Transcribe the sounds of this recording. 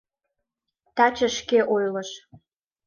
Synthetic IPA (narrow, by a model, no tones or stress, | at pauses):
t̪ɑt͡ɕə̆ʃkeʔojlɤ̆ʃ